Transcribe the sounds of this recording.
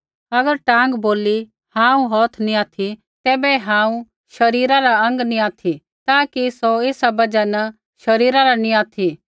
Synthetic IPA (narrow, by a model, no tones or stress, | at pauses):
ɐɡəɾʈãːŋɡboːli | hãːũɦɔːt̪ʰnĩaːt̪ʰi | t̪ɛːbɛɦãːũ | ʃɐɾiːɾaɾaɐ̃ŋɡnĩaːt̪ʰi | t̪aːkisoeːsabɐd͡ʒanɐ | ʃɐɾiːɾaɾanĩaːt̪ʰi